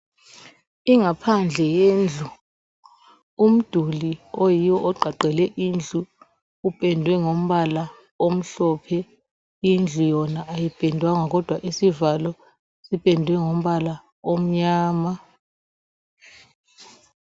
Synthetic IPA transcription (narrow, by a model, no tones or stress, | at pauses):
iŋapʰand͡ɮʱɛjeːnd͡ɮʱu | um̩d̥ʱuliojijɔʔɔǃʱaǃɛlɛʔiːnd͡ɮʱuː | ɓʼɛndʱwɛŋom̩ɓala | om̩ɬɔːpʰɛ | ind͡ɮʱujɔnaʔːjib̥ʱɛndʱwaŋak̬ɔd̥ʱwaʔisivalɔ | siɓʼɛndʱwɛŋom̩ɓala | om̩ɲaːma